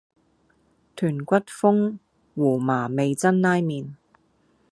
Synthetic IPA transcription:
t̪ʰyː˨˩nkʷɐ˥t̚fʊ˥ŋ | wuː˨˩maː˨˩me˨˧jt͡sɐ˥nːaː˥jmiː˨˧n

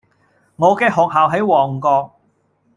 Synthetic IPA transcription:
ŋɔː˨˧kɛː˧ɦɔː˨k̚ɦaː˨˩wɦɐ˨˥jwɔː˨˩ŋkɔː˧k̚

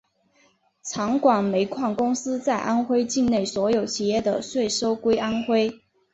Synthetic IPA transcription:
t͡sʰɑ˧˥ŋkwa˨˩ŋme˧˥ɪkʰwa˥˩nkʊ˥ŋsɹ̩˥t͡sa˥˩ɪʔa˥nxwe˥ɪt͡ɕi˥˧ŋne˥˩ɪswɔ˧˥jo˨˩ʊt͡ɕʰi˨˩jɛ˥˩d̪ə˩swe˥˩ɪʂo˥ʊkwe˥ɪʔa˥nxwe˥ɪ

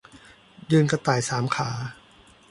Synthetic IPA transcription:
jɯː˧nka˧t̪aː˨˩jsaː˩˦mkʰaː˩˦

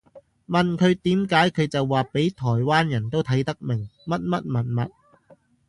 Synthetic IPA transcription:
mɐ˨nkʰɵ˨˧ɥt̪iː˨˥mkaː˨˥jkʰɵ˨˧ɥt͡sɐ˨wːaː˨pe˨˥jt̪ʰɔː˨˩jwaː˥njɐ˨˩nt̪o˥wt̪ʰɐ˨˥jt̪ɐ˥k̚mɪ˨˩ŋmɐ˥t̚mɐ˥t̚mɐ˨˩nmɐ̰˨t̚

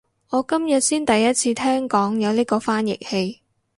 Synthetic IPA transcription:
ŋɔː˨˧kɐ˥mjɐ˨t̚siː˥nt̪ɐ˨jːɐ˥t̚t͡sʰiː˧t̪ʰɛː˥ŋkɔː˨˥ŋjɐ˨˧wliː˥kɔː˧faː˥njɪ̰˨k̚he˧j

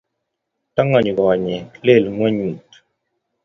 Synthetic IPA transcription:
ta˦ŋɔ˨ɲ˨ɡɔ˨ɲɛ˨le˦˨lŋwɛ˦ɲu˨t

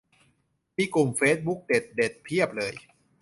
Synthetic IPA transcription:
miː˧klu˨˩mfeː˦˥t̪̚bu˦˥k̚de˨˩t̪̚de˨˩t̪̚pʰi˥˩əp̚lɤː˧j

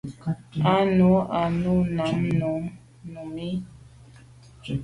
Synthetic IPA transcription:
a˨˦nu˨˦a˨nu˦˨na˨˦mnu˨˦ | nu˨mi˦

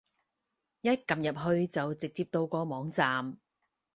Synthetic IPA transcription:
jɐ˥t̚kɐ˨˩mjɐ˨p̚ɦɵ˧ɥt͡sɐ˨wt͡sɪ˨k̚t͡siː˧p̚t̪o˧wkɔː˧mɔː˨˥ŋt͡saː˨m

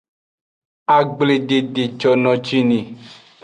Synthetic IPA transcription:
a˨ɡ͡ble˨de˨de˨t͡ʃɔ˨nɔ̃˨t͡ʃi˦nĩ˨

